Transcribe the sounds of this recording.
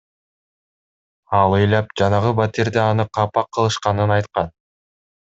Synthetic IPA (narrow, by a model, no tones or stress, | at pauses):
ɑlˠɯjlʲɑp̚d͡ʒɑnɑʁɯbat̪iɾd̪eɑnɯqʰɑpɑqʰːɯlˠɯʃqɑnɯnɑjt̪qɑn